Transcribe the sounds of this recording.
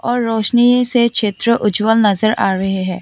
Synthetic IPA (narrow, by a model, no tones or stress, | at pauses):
ɔːɾːɔːʃnisekʃeːt̪ɾəʔʊd͡ʒwəlnɐzəɾaːɾɐɦeɦɛ̃ː